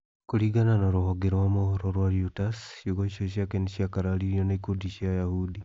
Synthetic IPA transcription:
kuɾiɡananaɾohoɡeɾowamohoɾɔɾwaɾjutasʃjoɣoiʃoʃjakeniʃiakaɾaliɾjonaikodiʃiajahudi

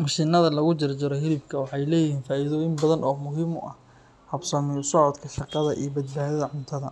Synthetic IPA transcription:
mɐʃinɐðɐlɐɣʊt͡ʃɪrt͡ʃɪɾɔɦɪɾɪbkʰɐwɑħɑjlɛːjɪɦiːnfaːiðɔːjɪmbɐðɐnʔɔːmʊɦiːmʊ̰ʔɐ̰h | hɐbsɐmɪsɔʕɔd̪kʰɐʃɑqɑðɐ̰ʔḭjɔbɐd̪̚baːðɐðɐʕʊnt̪ʰɐðɐ

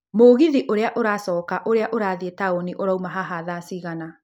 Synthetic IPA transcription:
moːɣiðiʔoɾeaʔoɾaːsɔːkaʔoɾeaʔoɾaːðietaoniʔoɾaumaɦaɦaðasiɣana

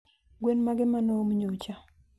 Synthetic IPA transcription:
ɡwenmaɡɪmanɔmɲot͡ʃa

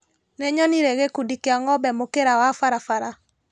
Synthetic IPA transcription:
nɛɲɔniɾeɣekudikeaŋɔbɛmokeɾawafaɾafaɾa

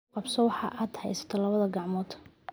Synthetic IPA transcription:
qɑbsɔwɑħɑ̰ːʔaːd̪hɛ̰jsɐ̥t̪ʰɔlɐβɐðɐɡɑʕmɔːt̪ʰ

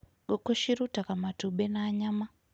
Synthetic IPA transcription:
ɡokoʃiɾutakamatuɓenaːɲama

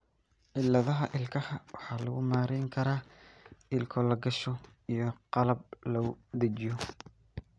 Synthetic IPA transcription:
ʔɪlːɐðɐɦɐʔɪlkʰɐhɐwɑħɑːlɐɣʊmaːɾɛjŋkʰɐɾaːʔɪlkʰɔlɐɡɐʃɔ | ijɔqɑlɐb̚lɐʊd̪ɐt͡ʃɪjɔ

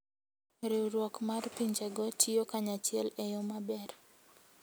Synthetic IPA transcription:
ɾɪɾwɔkmarpiɲd͡ʒɛɡɔtʰiokaɲat͡ʃjɛlejɔmabɛɾ

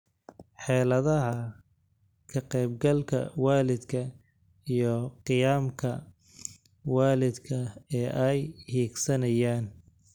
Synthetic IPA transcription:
ħɛːlɐðɐɦɐ | kʰɐqɛjbɡɐlkʰɐ̰waːlɪd̪kʰɐ | ijɔqɨjaːmkʰɐ | waːlɪd̪kʰɐɛːʔɛjhiːɡsɐnɐjaːn

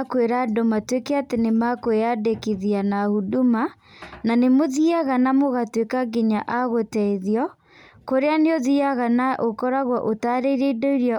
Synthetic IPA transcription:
kweɾadɔmatwekɛatenemakoweadekiðianahuduma | nanemoðiaɣanamoɣatwekaɡeɲaʔaɣotɛiðjɔ | koɾeaneoðiaɣanaʔokɔɾaɣwɔʔotaɾeiɾeidoiɾja

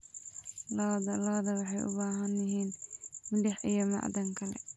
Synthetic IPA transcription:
lɔːd̪ɐlɑːd̪ɐwɑħɑjʔʊ̰baːɦɐnːɪɦiːnmɪlɪħijɔmɑ̰ʕd̪ɐŋkʰɐlɛ̰

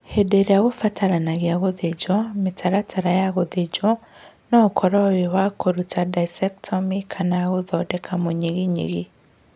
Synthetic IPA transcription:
hɛdeɾeaɣofatʰaɾanaɣeaɣoðed͡ʒɔmetʰaɾatʰaɾajaɣoðed͡ʒɔ | nɔkʰɔɾɔwewakoɾutadaisɛktʰɔmikʰanaɣoðɔdɛkʰamoɲeɣiɲḛɣi

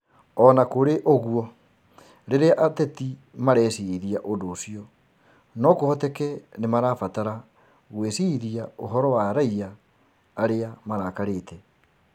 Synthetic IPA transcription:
ɔnakoɾeʔoɣuɔ | ɾeɾeaʔatɛti | maɾɛːsiðiaʔondoːsiɔ | nɔkohɔtɛkɛnemaɾaːfataɾa | ɣwesiðiaoɦɔɾɔwaɾaiaː | ɾeamaɾaːkaɾeːtʰɛ

